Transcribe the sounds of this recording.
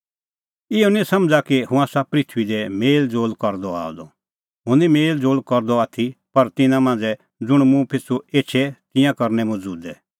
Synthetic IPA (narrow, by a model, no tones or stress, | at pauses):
ɪɔnisɐmd͡zakihʊ̃aːsapɾɪt̪ʰʋid̪ɛmeːld͡zoːlkɐɾd̪ɔa̰ːɔ̰d̪ɔ̰ | ɦʊ̃nimeːld͡zoːlkɔɾd̪ɔaːt̪ʰipɐɾt̪ɪnãmãːnd͡zɛ | d͡zʊɽ̃mũpʰɪsʰueːtt͡ʃʰɛt̪ɪ̃jãkɐɾnɛmɔd͡zuːd̪ɛ